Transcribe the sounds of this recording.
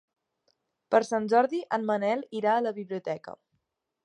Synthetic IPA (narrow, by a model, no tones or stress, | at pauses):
pəɾsanʲʒɔɾðiʔənmənɛlˠiɾaələβiβliut̪ɛkə̰